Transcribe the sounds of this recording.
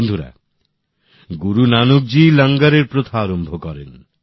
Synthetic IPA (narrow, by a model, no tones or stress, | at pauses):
nd̪ʱuɾa̰ | ɡuɾunanok̚d͡ʑilaŋɡaɾeɾpɾot̪ʰaːɾombʱokɔɾḛn